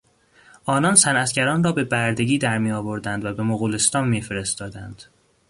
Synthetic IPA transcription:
ʔɒːnɒːnsænæt̪ɟæɾɒːnrɒːbe̞bæɾd̪e̞ɟiːd̪æɾmiːɒːvo̞ɾd̪ænd̪væbe̞moɣuːlest̪ɒːnmiːfeɾe̞st̪ɒːd̪ænd̪̥

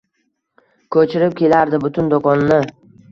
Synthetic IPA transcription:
kʰɵt͡ʃʰɪɾɪp̚kʲʰe̞laɾd̪ɪbʊt̪ʰʊnd̪okʰɒnnɪ

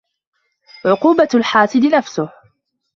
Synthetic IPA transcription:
ʕʊquːbalħaːsɪd̪ɪnafsʊh

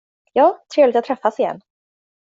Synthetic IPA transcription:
jɑːt̪ʰɾeːvlɪt̪at̪ʰːɾɛfːasɪjɛ̰nː

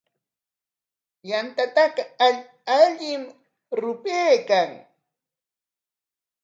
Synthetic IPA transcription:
jant̪at̪ɑqɑa | aʎɪm | ɾʊpeːkaŋ

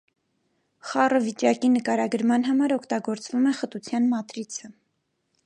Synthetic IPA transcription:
χɑrəvit͡ʃɑkinəkɑɾɑɡəɾmɑnɦɑmɑɾɔkʰt̪ɑɡɔɾt͡svumɛχət̪ut͡sʰjɑnmɑt̪ɾit͡sʰə

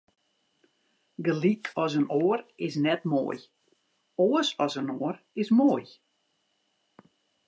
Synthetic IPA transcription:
ɡəlikʰɔsənoərɪsnɛtmo̰əj | oəsɔsənoər | ɪsmoːəj

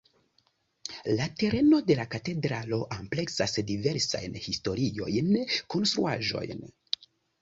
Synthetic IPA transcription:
late̞ɾe̞no̞de̞lakate̞dɾalo̞ʔample̞ksasdive̞ɾsa̰jnhisto̞ɾio̞̰jnko̞nst̪ɾuaʒo̞̰jn

